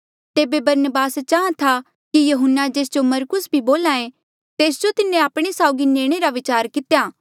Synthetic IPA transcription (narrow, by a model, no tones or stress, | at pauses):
t̪eːbebɐɾnəbaːst͡ʃaːãt̪ʰa | kijɐɦʊnːad͡ʒeːs̬d͡ʒomɐɾkʊsbʱiboːlãːẽ | t̪eːs̬d͡ʒot̪ɪnːẽaːpɽ̃esaːʊɡineːɽ̃eɾaʋɪt͡ʃaːɾkɪt̪ejaː